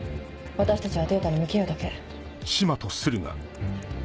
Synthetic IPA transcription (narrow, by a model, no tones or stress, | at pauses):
βat̪aɕi̥t̪at͡ɕiβat̪e̞ːt̪aɾʲimɯ̟kejod̪ake̞ | ɕimat̪osɨɾɯ̟ŋa̰